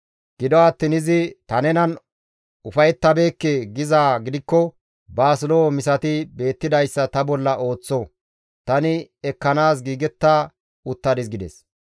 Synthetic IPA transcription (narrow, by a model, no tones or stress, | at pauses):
ɡ̥ɪd̪ɔɐt̪ːɪnɪzɪt̪ɐnɛnɐn | ʊfɐjɛt̪ːɐbe̞ːkːɛɡɪzaːɡɪd̪ɪkːɔ | baːsɪloːmɪsɐt̪ɪbe̞ːt̪ːɪd̪ɐjsːɐt̪ɐbɔlːɐʔo̞ːt͡sːɔ | t̪ɐnɪɛkːɐnaːs̬ɡiːɡɛt̪ːaː | ʊt̪ːɐd̪ɪsɡɪd̪ɛs